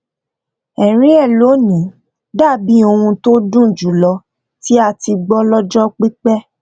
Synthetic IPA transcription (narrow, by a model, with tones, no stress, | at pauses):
ɛ˨ɾ̃ĩ˦ɛ˦˨lo˨˦nĩ˨˦ | da˦˨bi˨˦o˧ũ˧to˦dũ˦˨d͡ʒu˨˦lɔ˧ | ti˦a˧ti˧ɡ͡bɔ˦lɔ˦d͡ʒɔ˦k͡pi˦k͡pɛ˦